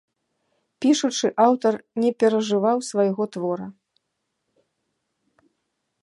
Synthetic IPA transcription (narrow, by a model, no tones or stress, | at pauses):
pʲiʂut͡ʂɨʔawt̪ɐrnʲɛpʲɛɾɐʐɨvawsvajɣɔt̪vɔɾɐ